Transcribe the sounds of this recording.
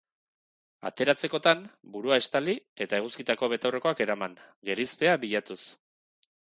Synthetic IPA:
a̰t̪e̞ɾat͡se̞ko̞t̪anbuɾuae̞st̪alie̞t̪ae̞ɣ̞uskit̪ako̞βe̞t̪awre̞ko̞ake̞ɾamaŋɡe̞ɾispe̞aβiʎat̪us

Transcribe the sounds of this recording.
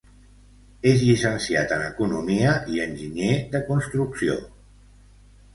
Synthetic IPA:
ezʎisənsiat̪ənəkunumiəʔiənʲʒiɲeðəkunst̪ɾuksio̰

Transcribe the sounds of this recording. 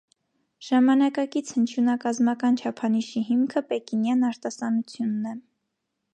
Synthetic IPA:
ʒ̥ɑmɑnɑkɑkit͡sʰhənt͡ʃʰjunɑkɑzmɑkɑnt͡ʃʰɑpʰɑniʃiɦimkʰəpɛkinjɑnɑɾt̪ɑsɑnut͡sʰjunːɛ

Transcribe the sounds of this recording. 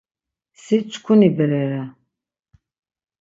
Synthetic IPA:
sit͡ʃʷʰʼkʷʰunibɛɾɛɾa

